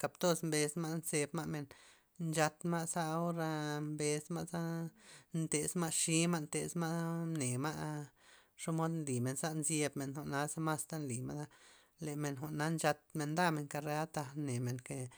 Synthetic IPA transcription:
ka˨pt̪o˦smbe˧sma˦nse˧bma˦ʔme˨n | nt͡ʃa˧t̪ma˦za˦o˦ɾa˧mbe˧sma˦ʔza˦nt̪e˨sma˦ʔʃi˦ma˦nt̪e˨sma˦mne˨ma˦ʔ | ʂo˦mo˦d̪nli˨me˨nza˦nzje˧bme˨nxo˨ʔna˧˦za˦ma˦st̪a˦nli˨ma̰˦d̪a˦ | le˨me˨nxo˨ʔna˦nt͡ʃa˧t̪̚me˧nd̪a˦me˧˨ŋka˧ɾe˧a˦t̪a˧ne˨me˨ŋke˨

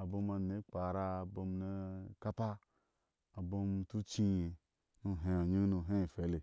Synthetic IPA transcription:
a˨bo˧ma˧ne˨˦k͡pa˨ɾa˧˨bo˧m˦ne˧ka˦pa˦ | a˨bo˧mtu˦t͡ʃi˦je˨ | nu˧ɦe˧a˨ɲu˦nu˧˨ɦe˦˨fe˨˦le˨

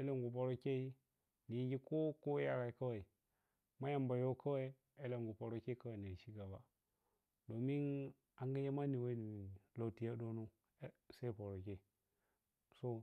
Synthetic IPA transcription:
e˦le˦ŋɡu˨po˨ɾo˦ke˦i˦ | ni˨˦ɡi˦ko˦ko˦ja˦ɡa˨ka˦wa˨i˨ | ma˦ja˨mba˨jo˦kʰa˦we˦i˦ | e˦le˨ŋɡu˨po˨ɾo˦ke˦ka˦wa˨ni˨ʃi˦ɡa˨ba˨ | do˨mi˦n | a˨˦ŋɡa˦je˦ma˦ni˨we˦ni˨mi˨lo˨ti˨ja˦do˦nu˦ | se˦po˨ɾo˨ke˦˨ | so˦

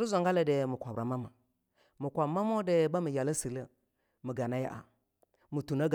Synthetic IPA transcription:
ɾu˦za˨ŋɡa˦la˦de˨mu˨kʷa˨bɾa˨ma˦ma˨ | mu˨kʷa˨ma˦mo˦de˨ba˦mə˨ja˨la˦si˨lə˦ | mə˨ɡa˨na˦ja̰˦ʔa̰˨ | mu˨tu˨na˦ɡ

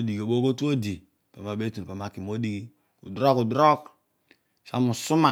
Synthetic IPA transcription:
o˦di˨ɡo˨bo˦ko˦tu˦o˦di˨ | pa˨ma˨be˦tu˨pa˨ma˨ki˨mo˦di˦ɡi˦ | ṵ˨dɾo˦ku˨dɾo˦k | ʃa˦mu˨su˦ma˨

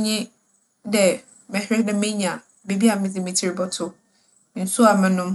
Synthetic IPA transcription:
ɲɪ̃˦ | dɛ˨ | mɛ̃˨hɪ˦nɛ̃˦mẽ˦ɲ˨a˨ | be˦bi˦a˨mɪ̃˦d͡zɪ˨mĩ˨tʰi˦ɾɪ˨bɔ˦tʰʊ˦ | n̩˨sʊ˦a˨mã˦nʊ̃˦m˦

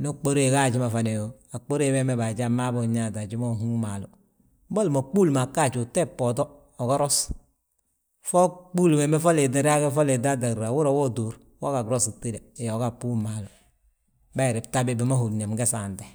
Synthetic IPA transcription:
no˦k͡po˦ɾe˦˨ɡa˦˨d͡ʒi˦ma˨fa˨ne˨jo˨a˨k͡po˦ɾe˦be˦me˦ba˨d͡ʒa˦ma˦bo˨ɲa˦˨ta˨d͡ʒi˦mo˦ɦu˦ma˨lu˨˦ | bo˦lmo˨k͡pu˦lma˨kːa˦˨t͡ʃu˨te˦pːo˨to˦ | o˨ɡɔ˦ɾo˦s | fo˦k͡pu˦lme˨me˦fo˦le˨de˨ɾa˦ɡe˦fo˦le˨da˦da˨ɾa˨wu˦ɾo˨wo˦do˨ɾ | wa˦ka˨ɡɾo˦si˨tːi˦le˨jo˨˦ka˦pu˦ma˨lu˨ | ba˦˨ɾi˨b̚ta˦be˦bi˨ma˦ɦu˨ne˨mɡe˦sa˨nte˨

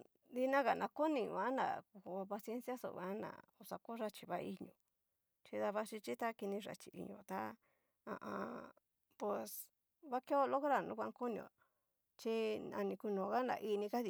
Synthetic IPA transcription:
d̪i˧nã˦ɣa˨nã˧ko˦nĩ˨˧˨ã˨˦nã̰˨ku˧˨o˧pa˧sje˦nsja˦so̰˨βã˦nã̰˨o˧sa˨ko˦ʐa˧t͡ʃi˧βa˦ʔi˧ɲõ̰˧˨ | t͡ʃi˧ða˧βa˧ʂi˧t͡ʃi˦t̪a˦ki˧nĩ˧ʐa̰˧t͡ʃi˨˧ʔḭ˧ɲõ̰˧˨t̪a˦ | ã̰˧ʔã˧ | pe˨s | βa˦ke˦o˧lo˦ko˦ɾa˧˨nũ˦kʷã˧˦ŋko˦nĩ˧õ̰˨ | t͡ʃi˦ã̰˧nĩ˧ku˧nõ˨ɣa˦nã̰˨ʔi˧nĩ˧ka˦ði˧

